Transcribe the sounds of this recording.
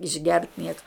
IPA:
ɪʒʲˈɡʲɛrt ˈnʲiɛkɐ

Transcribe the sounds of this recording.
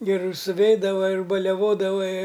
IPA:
ɡʲɛˈrʊ sʊˈʋʲɛɪdɐʋɐ ɪr bɐlʲɛˈʋoːdɐʋɐ ɪ

